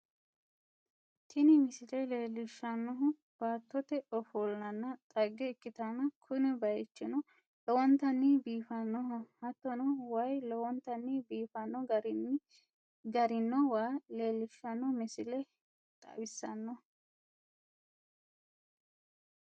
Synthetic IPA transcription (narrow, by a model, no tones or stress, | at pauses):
t̪ʰɪnɪmɪsɪlɛleːlːɪʃːɐnːɔɦʊ | b̥aːt̪ːɔt̪ɛɔfɔlːɐnːɐt̪ʼɐɡːɛːkːɪt̪ɐnɐkʰʊnɛbɐjɛt͡ʃːɪnɔ | lɔwɔnt̪ɐnːɪbiːfɐnːɔɦʊhɐt̪ːɔnɔwɐjlɔwɔnt̪ɐnːɪbiːfɐnːɔɾ | ɡɐɾɪnːɔwaːle̞ːlːɪʃːɐnːɔmɪsɪlɛ | t̪ʼɐ̰bɪsːɐnːɔ